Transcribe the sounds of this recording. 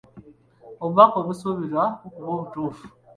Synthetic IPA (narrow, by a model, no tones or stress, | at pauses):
oβuβakoβusoβiɾwaokuβoːβutuːfu̥